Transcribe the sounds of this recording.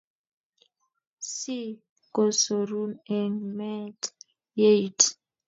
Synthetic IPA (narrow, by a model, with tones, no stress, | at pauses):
si˦ | ko˨so˨ɾu˦nɛ˨nmɛ˦t | je˦tʰ